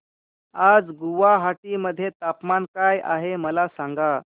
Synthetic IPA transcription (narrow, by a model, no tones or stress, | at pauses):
ad͡zɡuʋaɦaʈiːməd̪ʱːjet̪apmankajʔa̰ɦeməlasaŋɡa